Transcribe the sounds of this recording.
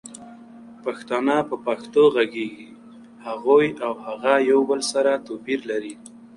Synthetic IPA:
paxt̪ɑnɑpəpaxt̪oɣaɡeɡi | haɣojawhaɣajawbəlsaɾat̪opiɾlaɾi

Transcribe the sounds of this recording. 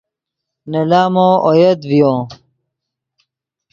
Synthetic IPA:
nɐlaːmoːʔojɐd̪vijõː

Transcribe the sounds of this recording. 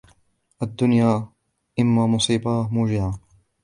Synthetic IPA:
ʔad̪ːʊnjaː | ʔɪmːaːmʊsˤiːbaːmuːd͡ʒɪʕaː

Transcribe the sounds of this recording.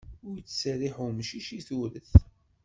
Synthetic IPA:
ʊɾjət͡sːsəriħumʃiʃiθuɾəθ

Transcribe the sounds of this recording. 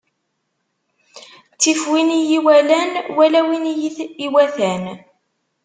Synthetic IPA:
t͡sːifwinijiwælænwælæwinjiθiwæθæn

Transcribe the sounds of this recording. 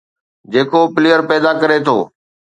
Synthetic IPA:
d͡ʑeːkopɪleːəɾpɛːd̪akɐɾet̪ʰo̰ː

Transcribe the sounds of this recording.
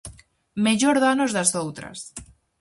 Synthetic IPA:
meʎoɾðanozðasowt̪ɾa̰s

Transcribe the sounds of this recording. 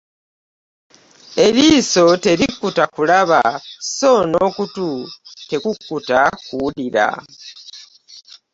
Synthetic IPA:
e̞liːso̞te̞ɾikːutakulaβaso̞nokutute̞kukːutakuuliɾa̰

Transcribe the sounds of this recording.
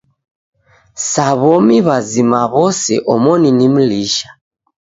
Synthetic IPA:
saβɔmiβazimaβɔsɛ̰ʔɔmɔninim̩liʃḁ

